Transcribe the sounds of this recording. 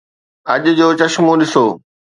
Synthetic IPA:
ɐʄd͡ʑoːt͡ɕɐʃmũɗɪsoː

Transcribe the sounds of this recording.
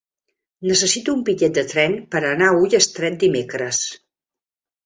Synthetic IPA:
nəsəsit̪uːmbiʎɛt̪̚d̪ət̪ɾɛnpəɾənaujəst̪ɾɛt̪̚d̪imekɾəs

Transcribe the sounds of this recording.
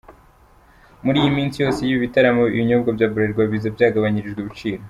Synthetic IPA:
muɾiːjimiːnsijo̞ːse̞jiβiβitaɾamoḭjiɲoːbɡabjaːbuɾeɾɡwaβizabjaːɡaβaɲiɾiʒɡweβut͡ʃiːɾo

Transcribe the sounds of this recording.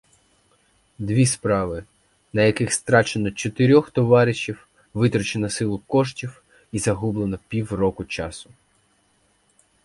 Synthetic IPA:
d̪ʋʲispɾɑʋɪ | nɐjɐkɪxst̪ɾɑt͡ʃenɔt͡ʃɔt̪ɪɾʲɔxt̪ɔʋɑɾʲɪʃʲiw | ʋɪt̪ɾɔt͡ʃenɐsɪlˠʊkɔʃtʲiw | izɐɦublˠenɐpʲiwrɔkʊt͡ʃɑsʊ̥

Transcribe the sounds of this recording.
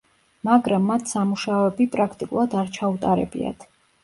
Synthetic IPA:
maɡɾamːat̪ʰsamuʃaɔɛbipʼɾakʰt̪ʼikʼulˠad̪aɾt͡ʃʰaut̪ʼaɾɛ̰bḭa̰t̪ʰ

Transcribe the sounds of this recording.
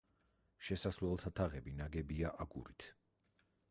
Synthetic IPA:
ʃɛsaslɛlˠt̪ʰat̪ʰaʁɛbinaɡɛbiaʔaɡṵɾit̪ʰ

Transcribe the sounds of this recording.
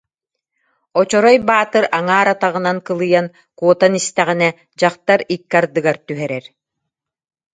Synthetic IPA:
ɔt͡ɕɔɾɔjbaːt̪ɯɾaŋaːɾat̪aʁɯ̆nankɯlˠɯjan | kuɔt̪anist̪ɛʁinɛ | d͡ʑaqt̪aɾikːaɾd̪ɯɡaɾt̪yɦɛɾɛɾ

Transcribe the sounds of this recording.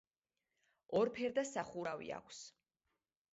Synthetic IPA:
ɔɾpʰɛɾd̪asaχuɾavḭa̰kʷʰs

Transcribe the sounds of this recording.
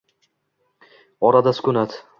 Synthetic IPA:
ɒɾad̪asʊ̥kʊnat̪

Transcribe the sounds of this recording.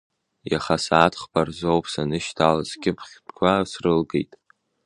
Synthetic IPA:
jaχasaːtʰχbarzowpʰʼsanɨʃtʰalazɡʲɪpʰχʲtʰʼkʷʰasrɨlɡḛjtʼ

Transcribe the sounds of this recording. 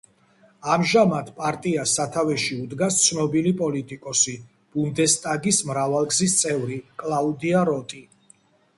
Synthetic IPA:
amʒamad̪ʰpʼaɾt̪ʼiasat̪ʰavɛʃiud̪ɡast̪sʰnɔbilipʼɔlit̪ʼikʼɔsi | b̥und̪ɛst̪ʼaɡismɾavalˠɡzist̪sʼɛvɾikʼlˠaud̪iaɾɔt̪ʼi

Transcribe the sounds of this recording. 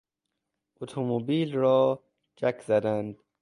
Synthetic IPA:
ʔot̪ʰomobiːlɾɒː | d͡ʒækʰzæd̪ænd̪

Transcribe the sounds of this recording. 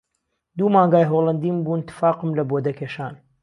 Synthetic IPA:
d̪uːmaːŋɡaːjɦoːlˠɐnd̪iːmbuːnɨt̪ʰːɨ̥faːqɨmlɐboːd̪ɐkʰeːʃaːn

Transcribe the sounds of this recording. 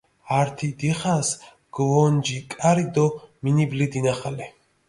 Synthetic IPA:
aɾt̪ʰid̪iχas | ɡ̥vɔnd͡ʒikʼaɾid̪ɔminiblid̪inaχalɛ

